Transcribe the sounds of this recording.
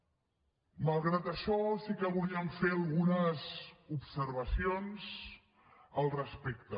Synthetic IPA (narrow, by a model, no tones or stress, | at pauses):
məlˠɣɾat̪əʃɔsikəβuliəɱfeəlˠɣunəzupsəɾβəsionz | əlˠrəspekt̪ə